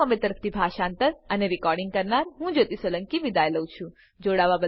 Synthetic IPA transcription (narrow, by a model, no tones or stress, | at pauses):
əmẽt̪əɾəpʰt̪ʰibʱaʃant̪əɾəneɾɪkɔɾɖɪŋɡkəɾnaɾɦũd͡ʒot̪isələŋkiʋid̪aeləwt͡ʃʰũ | d͡ʒoɽaʋabə